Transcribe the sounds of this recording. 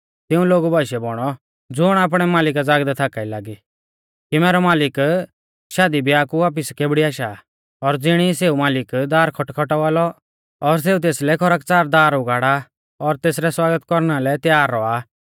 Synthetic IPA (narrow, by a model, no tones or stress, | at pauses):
t̪ɪũloːɡubaʃɛbɔɽ̃ɔ | d͡zʊɽ̃aːp̬ɽ̃ɛmaːlɪk̬ad͡zaːɡd̪ɛt̪ʰaːkailaːɡi | kimɛːɾɔmaːlɪk | ʃaːd̪ibʱiaːkuʋaːp̬ɪskebɽiaːʃa | ɔɾd͡zɪɽ̃iseːumaːlɪkd̪aːɾkʰɔʈkʰɔʈɔʋaːlɔ | ɔɾs̬eːut̪̬eːslɛkʰɔɾək̚t͡saːɾd̪aːɾʊɡaːɽa | ɔɾt̪eːsɾɛswaːɡət̪kɔɾñalɛt̪jaːɾːɔaː